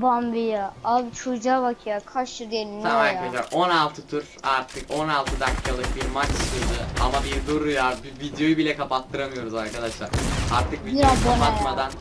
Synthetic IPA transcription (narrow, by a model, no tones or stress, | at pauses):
bambijaabit͡ʃʰud͡ʒaːbakʰijakʰaʃɯɾd̪eninamaɾkad̪aʃlˠaɾʔo̞nalˠt̪ʰɯt̪ʰuɾ | aɾt̪ʰɯko̞nalˠt̪ʰɯd̪akʰːalˠɯk̚biɾmat͡ʃsɯɾd̪ɯamabiɾd̪oɾujabivid̪jo̞jɯbilʲɛkʰapat̪ːɯɾamɯjo̞ɾuzaɾkʰad̪aʃlˠaɾaɾt̪ʰɯk̚viakapat̪mad̪an